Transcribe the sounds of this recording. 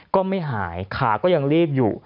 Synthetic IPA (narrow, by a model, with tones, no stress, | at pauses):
kɔː˥˩ma˥˩jɦaː˩˦jkʰaː˩˦kɔː˥˩ja˧ŋliː˥˩p̚jṵː˨˩